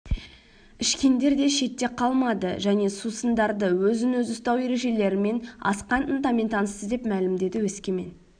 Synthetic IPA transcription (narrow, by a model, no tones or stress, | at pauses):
ɪʃkʲe̞nd̪e̞ɾd̪e̞ʃe̞t̪ːe̞qʰɑlˠmɑd̪əʒæne̞susənd̪ɑɾd̪əwɵzɪnɵzʊst̪ɑwe̞ɾe̞ʒe̞le̞ɾɪme̞nɑ̰sqɑnənt̪ɑme̞nt̪ʰɑnəsəzd̪e̞pmælɪmd̪e̞d̪ɪwɵskʲe̞me̞̰n